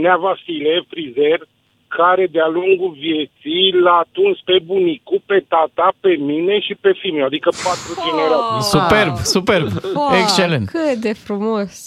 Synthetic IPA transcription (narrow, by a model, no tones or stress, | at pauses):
neavasile̞fɾize̞r | kʰaɾe̞d̪ealuŋɡulvje̞t̪sijlaːt̪unt͡ʃpe̞bunikupe̞t̪at̪ape̞mine̞ʃipe̞fimoad̪ikəpat̪ɾud͡ʒeneɾat̪isuperbsuperbekst͡ʃelentkɨt̪d̪efɾumos